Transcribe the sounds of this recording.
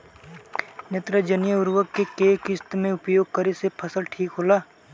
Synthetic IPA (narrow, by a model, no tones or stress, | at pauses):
nɐt̪ɾəd͡ʒənjəʊɾʋəɡkːekeːkɪst̪mẽʊpjoːɡ̚kəɾesepʰɐsəlʈʰiːkɦoːlaː